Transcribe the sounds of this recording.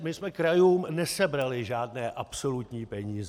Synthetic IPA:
mɪsmɛkɾajuːmnɛsɛbɾalɪʒaːdnɛːʔapso̞lut̪ɲiːpɛɲiːzɛ

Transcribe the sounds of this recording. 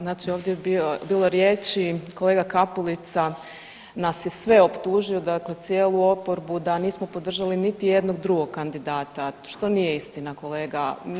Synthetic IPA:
znaːt͡ʃio̞ːʋd̪jebiobiːlˠo̞ɾjeːt͡ʃiko̞le̞ːɡakapulit̪sa | nasje̞sʋe̞o̞pt̪uːʒio̞d̪akle̞t̪sjeːlˠuo̞po̞ɾbud̪aniːsmo̞po̞d̪r̩ʒalinit̪ije̞d̪no̞ɡd̪ɾuɡo̞ɡkːand̪id̪aːt̪aʃt̪o̞nije̞ist̪inako̞le̞ːɡa

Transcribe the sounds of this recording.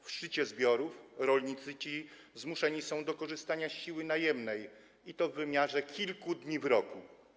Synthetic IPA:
fʂtɘt͡ɕɛzbʲjɔɾufɾɔlɲit̪sɘt͡ɕi | zmuʂɛɲisɔ̃w̃d̪ɔkɔʐɘst̪aɲaɕɕiwɘnajɛmnɛj | it̪ɔvːɘmʲjaʐɛkʲʰilkud̪ɲivɾɔku

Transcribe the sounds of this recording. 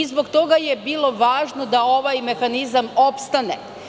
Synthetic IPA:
izbokt̪o̞ɡajebiːlˠo̞ʋaːʒno̞d̪ao̞ʋajme̞xanizamo̞pst̪anḛ

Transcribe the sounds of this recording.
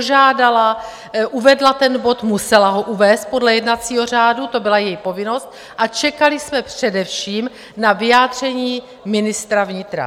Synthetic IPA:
ʒaːdala | ʔuvɛdlat̪ɛnbo̞t̪musɛlaɦo̞ʔuvɛːst̪̚po̞dlɛjɛdnat͡siːɦo̞r̝aːdut̪o̞bɪlajɛjpo̞vɪno̞st̪ | ʔat͡ʃɛkalɪsmɛpr̥ɛdɛfʃiːm | navɪjaːd̪r̝̥ɛɲiː | mɪnɪst̪ɾavɲɪt̪ɾa̰

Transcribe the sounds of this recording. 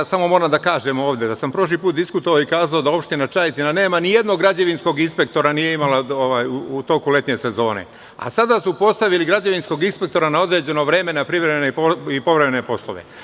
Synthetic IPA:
samo̞mo̞ɾamd̪akaːʒe̞mo̞ːʋd̪e̞d̪asampɾo̞ʃ̬lipuːt̪̚d̪iskut̪oʋaːikaːzaod̪ao̞pʃt̪inat͡ʃajet̪inane̞ːmanije̞d̪no̞ɡɾad͡ʑeʋinsko̞ɡinspe̞k̚t̪o̞ɾanijeimalaoʋaːjuut̪o̞kule̞t̪ɲe̞se̞zo̞ːne̞̰ | a̰sad̪asupo̞st̪aʋiliɡɾad͡ʑeʋinsko̞ɡinspe̞k̚t̪o̞ɾanao̞d̪ɾe̞ːd͡ʑe̞no̞ʋɾe̞me̞napɾiʋɾemenepoipo̞ʋɾemenepo̞slˠo̞̰ʋe̞̰

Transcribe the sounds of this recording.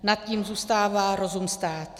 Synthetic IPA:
nat̪̚ciːmzuːst̪aːvaːɾo̞zumst̪aːt̪

